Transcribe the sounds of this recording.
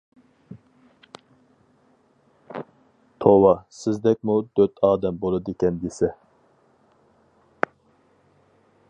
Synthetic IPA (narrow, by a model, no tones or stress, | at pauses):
t̪ʰowɑsɪzd̪ɛk̚ʲmud̪øt̪ʰɑːd̪ɛmbolˠɨd̪ekʲɛnd̪esɛ